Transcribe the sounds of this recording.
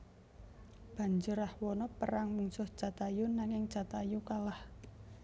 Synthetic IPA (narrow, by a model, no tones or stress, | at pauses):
b̥a̤ɲd͡ʒəɾahwɔnɔpəɾaŋmuŋsʊht͡ʃat̪ajunaŋɪŋ̥t͡ʃat̪ajukalah